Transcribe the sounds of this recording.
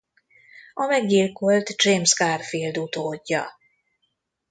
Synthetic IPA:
ɒmɛɡilko̞lt̪d͡ʒeːmskarfild̪ut̪oːɟːɒ

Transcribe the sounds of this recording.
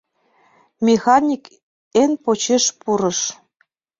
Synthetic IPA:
mʲexɑnʲik | enpot͡ɕeʃpuɾəʃ

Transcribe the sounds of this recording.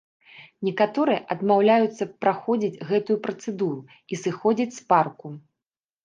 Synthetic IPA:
nʲɛkat̪ɔɾɨjɛʔɐd̪mawlʲajut̪sːɐpɾaxɔd͡zʲit͡sʲɣɛt̪ujupɾɐt̪sɛd̪uɾu | isɨxɔd͡zʲit͡sʲsparku

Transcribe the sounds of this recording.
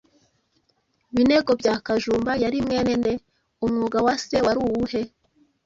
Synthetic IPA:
βine̞ɡo̞bɟaːkaʒuːmbajaɾimŋe̞ːne̞ne̞ | umŋuːɡawase̞waɾuwuhe̞

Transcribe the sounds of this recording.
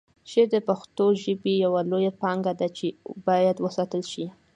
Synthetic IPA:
ʃeɾd̪əpaxt̪oʒəbijawalojapɑŋɡad̪at͡ʃebɑjad̪wəsɑt̪əlʃi

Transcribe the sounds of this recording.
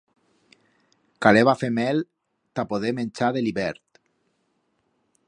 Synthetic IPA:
kaleβafemɛl | t̪apoðemenʲt͡ʃaðeliβɛɾt̪

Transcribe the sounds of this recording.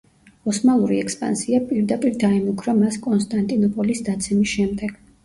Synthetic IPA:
ɔsmalˠuɾiɛkspʼa̰nsiapʼiɾd̪apʼiɾd̪aɛmukʰɾamaskʼɔnst̪ʼant̪ʼinɔpʼɔlisd̪at̪sʰɛmisʃɛmd̪ɛɡ̥

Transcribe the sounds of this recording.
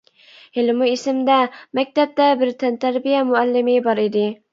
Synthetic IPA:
hɪlmuisɪmd̪ɛmɛk̚ʲt̪ɛp̚t̪ɛbɪɾt̪ʰɛnt̪ʰæɾbijɛmʊælːɪmɪbɑɾid̪ɪ

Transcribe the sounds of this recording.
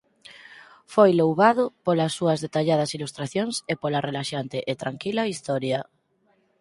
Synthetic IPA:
fojlowβað̞ʊpolasːuɐzðet̪aʎað̞ɐsilust̪ɾaθjoŋsepolarelaʃant̪ɪʔet̪ɾaŋkilaist̪ɔɾja

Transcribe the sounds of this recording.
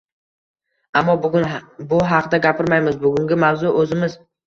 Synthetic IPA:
amːɒʊbʊɦɑqʰd̪aɡʲapʰɪɾmajmɪzbʊɡʊŋɡʲɪmawzʊʔɵzɪmɪz

